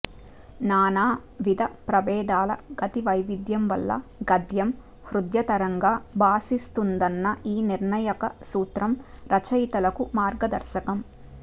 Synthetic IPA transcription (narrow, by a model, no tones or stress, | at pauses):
naːnaːʋid̪ʱɐpɾɐʋɛːd̪aːlɐ̰ɡ̥ɐt̪iʋɐjʋid̪jɐmʋɐ̰lːɐ̰ɡɐd̪jɐm | hɾud̪jɐt̪ɐɾɐŋɡaːbaːsist̪und̪ɐnːɐʔiːniɾnɐjɐkɐsuːt̪ɾɐmɾɐt͡ʃɐjt̪ɐlɐkumaːɾɡɐd̪ɐɾʃɐkɐm